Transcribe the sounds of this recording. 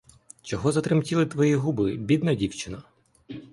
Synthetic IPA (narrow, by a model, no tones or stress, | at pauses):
t͡ʃɔɦɔzɐt̪ɾɪmtʲilˠɪt̪ʋɔjiɦubɪbʲid̪nɐdʲiwt͡ʃɪnɐ